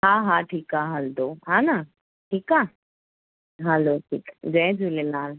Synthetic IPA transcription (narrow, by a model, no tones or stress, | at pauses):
ɦãɦãʈʰiːkaɦɐld̪oːɦãnaː | ʈʰiːkaː | ɦaloːʈʰḭːkɡɛd͡ʒulelaːl